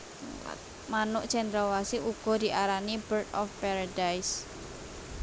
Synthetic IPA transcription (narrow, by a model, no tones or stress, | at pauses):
manʊʔt͡ʃɛnd̪ɾɔwasiʔuɡ̥ɔ̤d̪i̤ʔaɾanibəɾt̪ɔfpaɾadajs